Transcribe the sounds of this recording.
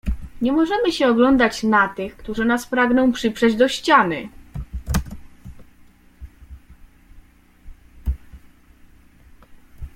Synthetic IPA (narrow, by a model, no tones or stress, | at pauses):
ɲɛmɔʐɛmɘɕɛɔɡlɔnd̪at͡ɕnat̪ɘxkt̪uʐɘnaspɾaɡnɔ̃w̃pʂɘpʂɛd͡ʑd̪ɔɕt͡ɕanɘ̰